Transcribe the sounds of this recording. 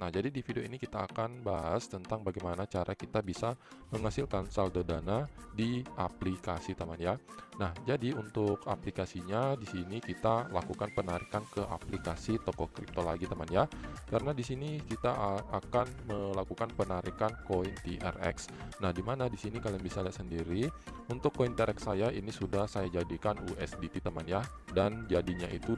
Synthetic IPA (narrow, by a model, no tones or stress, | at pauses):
nahd͡ʒadidifidioinikit̪aːkanbaɦast̪ənt̪aŋbaɡajmanat͡ʃaɾʔakit̪abisaməŋasilkansaldodanadiʔaplikasit̪əmanjanahd͡ʒadiunt̪ʊkaplikasiɲadisinikit̪alakukanpənaɾikankəʔa̰plikasit̪okokɾḭp̚t̪ola̰ɡit̪amanjakaɾənadisinikit̪aakanməlakukanpənaɾikankoint̪iʔɛ̰rɛ̰ks | nahdimanadisinikalaaŋbisaliaʔsəndiɾiunt̪ʊkːoiniɛɾɛksːajainisudahsajad͡ʒadikanuɛsdit̪it̪əmanja | dand͡ʒadiɲait̪u